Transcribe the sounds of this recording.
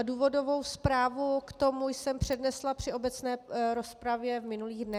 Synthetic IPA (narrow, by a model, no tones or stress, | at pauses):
duːvo̞do̞vo̞wspɾaːvukt̪o̞mujsɛmpr̝̥ɛdnɛslapr̝̥ɪʔobɛt͡snɛːɾo̞spɾavjɛvmɪnuliːɣdnɛ